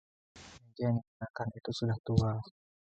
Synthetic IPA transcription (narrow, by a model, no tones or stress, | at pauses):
mad͡ʒijaŋdikunakanit̪usudaht̪ual